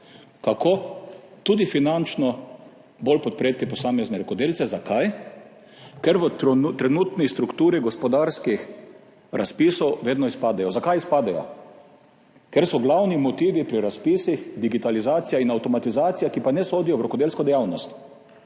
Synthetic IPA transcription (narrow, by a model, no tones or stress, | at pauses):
kakot̪uːd̪ifinant͡ʃnɔ | bolpɔt̪̚pɾeːt̪ipɔsaːmɛznɛɾɔkɔd̪eːlt̪sɛzakʰaj | kɛɾʋət̪ɾɛnuːt̪nist̪ɾukt̪uːɾiɡɔspɔd̪aɾskix | ɾʔaspisɔwʋeːd̪nɔispaːd̪ajɔzakajispaːd̪ajɔ̰ | kɛɾsɔɡlawnimɔt̪iːʋipɾiɾaspiːsixd̪iɡit̪alizaːt̪sijainawt̪ɔmat̪izaːt̪sijakipanɛsoːd̪ijɔʋɾɔkɔd̪eːlskɔd̪ɛjawnɔst̪